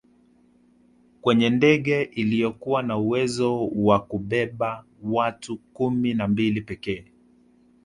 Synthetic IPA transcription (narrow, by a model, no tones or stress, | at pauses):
kwɛɲɛndɛɠɛʔilijɔkuwanauwɛzɔwakuɓɛɓa | watukuminambilipɛkɛː